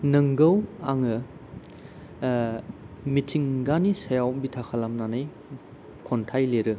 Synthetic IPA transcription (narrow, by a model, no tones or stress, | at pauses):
nɐŋɡɐwaŋɯ | mitʰiŋɡanisɐjawbitʰakʰalamnanaj | kʰontʰajleɾɯ